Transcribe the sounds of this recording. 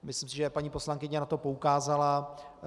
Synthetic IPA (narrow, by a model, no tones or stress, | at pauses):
mɪslɪmsɪʒɛpaɲiːpo̞slaŋkɪɲɛnat̪o̞po̞ukaːzala